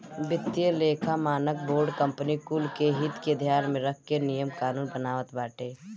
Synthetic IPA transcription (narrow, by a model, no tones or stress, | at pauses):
bɪt̪ːjəleːkʰamaːnək̚boːɾɖkəmpnikuːlkeɦɪt̪ked̪ʱjaːnmẽɾək̚ʰkenijəmkaːnuːnbənaːʋət̪baːʈeː